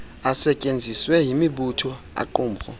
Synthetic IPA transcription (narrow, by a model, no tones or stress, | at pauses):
asɛcʼend͡zʱiswɛɦimiɓutʰɔ | a̰ǃuːmpʰʼɔ̰